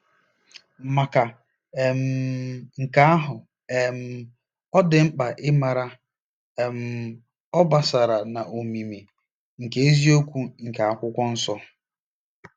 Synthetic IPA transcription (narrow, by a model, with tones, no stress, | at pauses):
ma˨ka˨ | e˨m̩˨ŋ̩˨ka˦a˦ɦʊ˨ | e˨m̩˦˨ | ɔ˦dɪ˨ŋ͡m̩˦k͡pa˨ʔɪ˦ma˨ɾa˦ | e˨m̩˨ | ɔ˦ba˨sa˨ɾa˨na˨ʔo˨mi˨mi˨ | ŋ̩˨ke˦e˦zi˦o˦kʷu˦ŋ̩˨ka˨a˦˨kʷʊ˦kʷɔ˦n̩˦sɔ˦